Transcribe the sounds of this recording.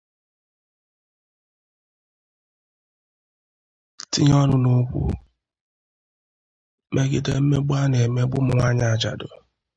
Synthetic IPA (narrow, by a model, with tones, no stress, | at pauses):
ti˦ɲɔ˦nʊ˦no˦kʷṵ˦ | me˦ɡi˦te˦m̩˦me˦bʊ˦a˦ne˨me˦ɡ͡bʊ˦m̩˨˦ŋʷa˦ɲ˦a˨t͡ʃa̰˨dʊ˨